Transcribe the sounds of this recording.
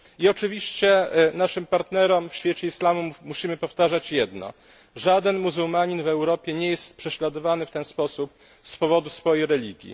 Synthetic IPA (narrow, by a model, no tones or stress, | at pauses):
iɔt͡ʂɘvʲiɕt͡ɕɛnaʂɘmpaɾt̪nɛɾɔmfɕfʲjɛt͡ɕɛislamumuɕimɘpɔft̪aʐat͡ɕjɛd̪nɔ̰ | ʐad̪ɛnmuzuwmaɲinvɛwɾɔpʲjɛɲɛjɛst̪̚pʂɛɕlad̪ɔvanɘft̪ɛnspɔsup | spɔvɔd̪usfɔjejɾɛlʲiɡʲjḭ